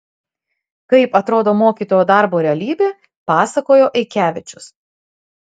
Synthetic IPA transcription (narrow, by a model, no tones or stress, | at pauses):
kɐɪpɐt̪ɾoːd̪oːmoːkʲiːˑt̪oːjoːd̪ɐˑɾboːɾʲɛɐlʲiːbʲeː | pɑːsɐkoːjoːʔɪkʲæːʋʲɪt͡ʃʲʊs